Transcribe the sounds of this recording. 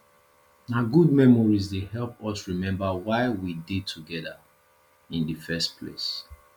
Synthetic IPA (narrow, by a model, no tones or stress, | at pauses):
naɡud̚mɛmɔɹizdehɛlpɔsɹimɛ̃mbawaɪwidid̚tʰuɡɛða̰ | ĩndəfɛstpʰlḛs